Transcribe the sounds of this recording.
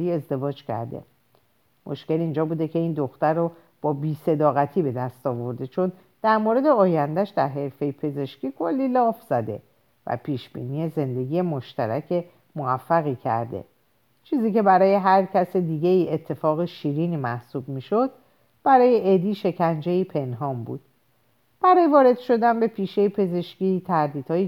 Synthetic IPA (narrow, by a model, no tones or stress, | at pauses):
iːe̞zd̪e̞vɒːd͡ʒcʰæ̰ɾd̪e̞̰ | mʔo̞̰ʃce̞lind͡ʒɒːbuːd̪e̞cʰe̞iːnd̪o̞xt̪æɾo | b̥ɒːbiːse̞d̪ɒːɣæt̪ʰiːbe̞d̪æst̪ɒːvo̞ɾd̪e̞t͡ʃʰo̞n | d̪̥æɾmoɾe̞d̪eɒːjænd̪æʃd̪æɾɦe̞ɾfe̞jepʰe̞ze̞ʃciːkʰo̞lːiːlɒːfz̥æd̪e̞ | væ̰pʰiːʃb̥ḭːnije̞ze̞nd̪e̞ɡiːje̞mo̞ʃt̪æɾæcʰe̞ | moæfːæɣicʰæ̰ɾd̪ḛ | t͡ʃʰiːziːce̞bæɾɒːje̞ɦæɾcʰæsed̪iːɟe̞iːe̞t̪ʰːe̞fɒːɣeʃiːɾiːniːmæhsuːbmiːʃo̞d̪̚ | b̥æɾɒːjeʔed̪iːʃe̞cʰænd͡ʒeiːpʰe̞nɦɒːmbṵːd̪̥ | b̥æɾɒːjevɒːɾe̞d̪ʃo̞d̪ænbe̞pʰiːʃejepʰe̞ze̞ʃcit̪ʰæɾd̪iːd̪̥hɒːje